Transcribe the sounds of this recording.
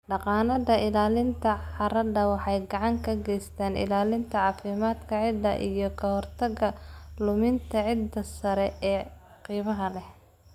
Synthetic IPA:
ɖɑqɑːnɐðɐɪlaːlɪnt̪ʰɐħɑɾɐdɐwɑħɑjɡɑʕɑŋkʰɐɡɛjst̪ʰaːnʔɪ̰laːlɪnt̪ʰɐʕɑːfɪmaːd̪kʰɐʕɪd̪ɐ̰ʔḭjɞkʰɐhɔrt̪ʰɐɣɐlʊmɪnt̪ʰɐʕɪd̪ɐsɐɾɛɛː | qiːmɐɦɐlɛh

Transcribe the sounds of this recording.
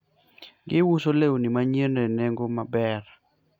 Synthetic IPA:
ɡɪwusolewonimaɲeneneŋɡomabɛr

